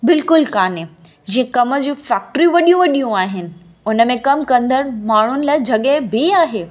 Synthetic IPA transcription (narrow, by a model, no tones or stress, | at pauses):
bɪlkʊlkaːnɪ | d͡ʑĩːẽkɐmə̆d͡ʑũːfɛːk̚ʈɾiʋɐɗijũʋɐɗijũaːɦɪnɪ̆ | ʊnə̆mẽkɐmkɐ̃nd̪əɾmaːɳ̤ʊnɪ̆lad͡ʑʱɐɠebʱiaːɦeː